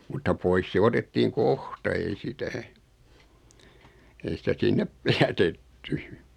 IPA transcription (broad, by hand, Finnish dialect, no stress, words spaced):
mutːɑ pois se otetːiːŋ kohtɑ ei sitæ ei sitæ sinːep jætetːy